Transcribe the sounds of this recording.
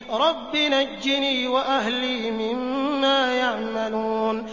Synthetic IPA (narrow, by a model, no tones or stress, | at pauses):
ɾˤɑbːinad͡ʒːɪniːwaʔaɦliːmɪmːaːjaʕmaluːn